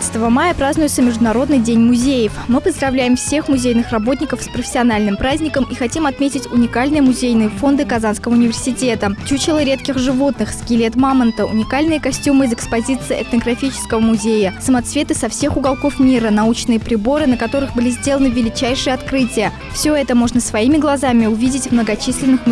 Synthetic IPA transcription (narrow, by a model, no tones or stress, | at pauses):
sə̥t̪əvəmajəpɾaznʊjʊt̪səmʲɪʐd̪ʊnɐɾo̞d̪nɨjdʲenʲmʊzʲejəfmɨpəzd̪ɾɐvlʲæjɪmfsʲe̞xmʊzʲejnɨxrɐbo̞t̪̬̚ʲnʲɪkəfspɾəfʲɪ̥sʲɪɐnalʲnɨmpɾazʲnʲɪkəmixɐtʲimɐt̪mʲetʲɪtʲʊnʲɪkalʲnɨjəmʊzʲejnɨjəfo̞nd̪ɨkɐzanskəvəʊnʲɪvʲɪrsʲɪtʲe̞t̪ət͡ɕut͡ɕɪlˠəɾʲe̞t̪kʲɪxʐɨvo̞t̪nɨxskʲilʲet̪mamənt̪əʊ̰nʲɪkalʲnɨjəkɐsʲtʲumɨɪzɛkspɐzʲit̪sɨjɛ̰t̪nəɡɾɐfʲit͡ɕɪ̥skəvəmʊzʲejəsəmɐt̪svʲe̞t̪ɨsɐfsʲe̞xʊɡɐlˠko̞fmʲiɾənɐut͡ɕnɨjəpɾʲɪbo̞ɾɨnəkɐt̪o̞ɾɨxbɨlʲizʲdʲe̞lənɨvʲɪlʲɪt͡ɕæjʂɨjəɐt̪kɾɨtʲɪjə | fsʲoɛt̪əmo̞ʐnəsvɐimʲɪɡlˠɐzamʲɪʊvʲidʲɪtʲvmnəɡɐt͡ɕisʲlʲɪnɨx